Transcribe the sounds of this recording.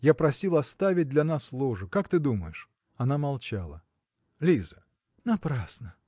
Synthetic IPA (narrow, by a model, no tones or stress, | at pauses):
japɾɐsʲilˠɐst̪avʲɪt̚ʲd̪lʲɐnaslˠoʐɨkakt̪ɨd̪uməjɪʂ | ɐnamɐlˠt͡ɕalˠə | lʲizə | nɐpɾasnə